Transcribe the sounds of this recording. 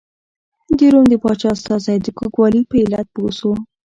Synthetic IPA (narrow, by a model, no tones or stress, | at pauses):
d̪eɾomd̪əpɑt͡ʃɑst̪ɑzajd̪əkoɡwɑlipəɪlat̪̚poso